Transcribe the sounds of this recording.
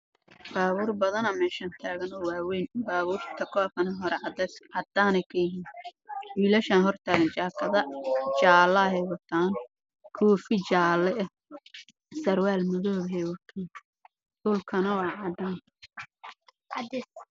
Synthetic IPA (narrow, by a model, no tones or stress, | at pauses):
baːβuːrbɐðɐnɐmɛːʃaːnt̪ʰaːɣɐnɔwaːwɛjnbaːβuːrt̪ʰɐkʰɔːfkʰɐnɐɦɔɾɛd̪ʕɑd̪aːnɛjkʰɐjɪɦiːnwiːlɐʃaːnɦɔrt̪ʰaːɣɐnt͡ʃaːkʰɐðɐt͡ʃaːlɐɦɛjwɐt̪ʰaːn | kʰɔːfɪt͡ʃaːlɛɛ | sɐrwaːlmɐðɔːβɐɦɛjwɐt̪ʰaːn | d̪ʊlkʰɐnɐwɑːʕɑd̪aːn | ʔɑd̪ɪs